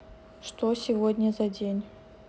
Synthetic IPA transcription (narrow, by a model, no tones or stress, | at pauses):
ʂt̪osʲɪvodʲnʲəzɐdʲenʲ